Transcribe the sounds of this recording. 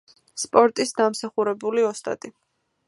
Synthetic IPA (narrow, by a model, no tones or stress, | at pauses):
spʼɔɾt̪ʼisd̪amsaχuɾɛbuliɔst̪ʼa̰t̪ʼi